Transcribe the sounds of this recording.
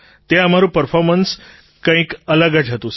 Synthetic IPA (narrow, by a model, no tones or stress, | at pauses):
t̪eam̤aɾupəɾfɔɾməns | kə̃ĩːkələɡad͡ʑʱat̪us